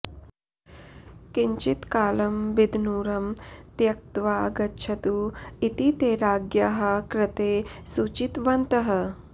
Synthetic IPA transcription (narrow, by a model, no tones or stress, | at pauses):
kiɲt͡ʃit̪kaːlɐmbid̪ʱnuːɾɐmt̪jɐk̚t̪ʋaːɐɡɐtːʃʰɐt̪uit̪it̪eːɾaːɡjɐɦɐ̆kɾɪt̪eːsut͡ʃit̪ʋɐnt̪ɐɦɐ̆